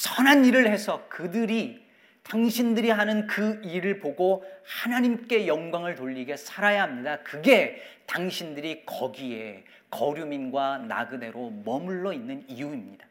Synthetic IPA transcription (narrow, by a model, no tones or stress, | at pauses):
sʰʌnaniɾɯɭhe̞sʰʌkɯdɯɾi | taŋɕʰindɯɾiɦanɯnkɯiɾɯɭpoɡohanaɲimk͈e̞jʌŋɡwaŋɯɭtoʎːiɡe̞sʰaɾajaɦamɲidakɯɡe̞taŋɕʰindɯɾikʌɡie̞ | kʌɾjuminɡwana̰ɡɯde̞ɾomʌmuɭːʌinːɯnijuimɲid̥a